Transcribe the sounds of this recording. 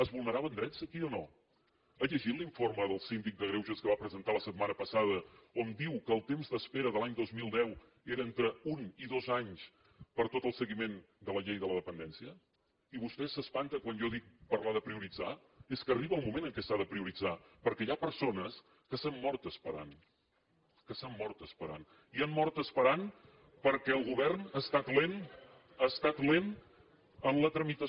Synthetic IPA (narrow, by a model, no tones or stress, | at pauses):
əzβulˠnəɾaβənd̪ɾɛsəkiono | əʎəʒit̪liɱforməðəlˠsind̪ik̚d̪əɣɾewʒəskəβapɾəzənt̪aləsət̪̚manəpəsaðəond̪iwkəːlˠt̪emzd̪əspeɾəðəlaɲd̪ozmilˠd̪ɛw | eɾəent̪ɾəuniðozaɲs | pəɾt̪ot̪əlˠsəɣimen | d̪ələʎejðələðəpənd̪ɛnsiə | iβust̪ɛsəspant̪əkwanʒɔðik̚pəɾlaðəpɾiuɾid͡za | eskəriβəːlˠmumenəŋkɛsaðəpɾiuɾid͡zapəɾkɛjapəɾsonəs | kəsamːɔɾt̪əspəɾa̰n | kəsamːɔrt̪əspəɾa̰n | iamːɔrt̪əspəɾan | pəɾkɛəlˠɣuβɛrnast̪at̪len | əst̪at̪len | ənlət̪ɾəmit̪ə